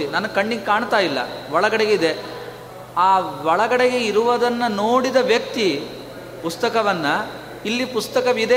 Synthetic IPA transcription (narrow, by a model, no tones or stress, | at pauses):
inɐnːɐkɐɳːiɡkaːɳt̪aːjilːɐ̰ʋɔɭɐɡɐɽeɡeid̪e | aːʋɔɭɐɡɐɽeɡeiɾuʋɐd̪ɐnːɐnoːɽid̪ɐʋjɐkt̪i | pust̪ɐkɐʋɐnːɐ | ilːipust̪ɐkɐʋid̪e